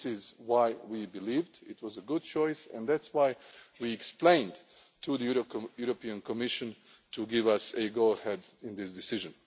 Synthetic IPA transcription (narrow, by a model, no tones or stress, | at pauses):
sɪzwaɪwibɨlivdɪt̚wʌzəɡʊd̚t͡ʃʰɔɪsɨ̰̃nðætswaɪwiɨksplẽɪ̃nd | tʰuðəjuɾopĩɨ̃nkʰɔmɪʃɨ̃n | tʰuɡɪvʌsɨɡoʊəhɛdɪ̃nðɪsdɨsɪʒɨ̃n